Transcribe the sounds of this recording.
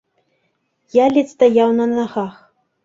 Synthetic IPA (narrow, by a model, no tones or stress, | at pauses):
jalʲit̪st̪ajawnɐnaɣax